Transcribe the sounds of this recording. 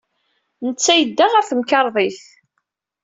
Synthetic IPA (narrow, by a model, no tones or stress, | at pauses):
nət͡sːæjəd̪ːaʁæθəmkɑɾˤðˤiθ